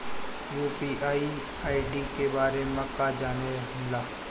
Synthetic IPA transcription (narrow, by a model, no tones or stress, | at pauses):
juːpiːʔaːi | aːiɖiːkebaːɾeməkad͡ʒaːneəmlaː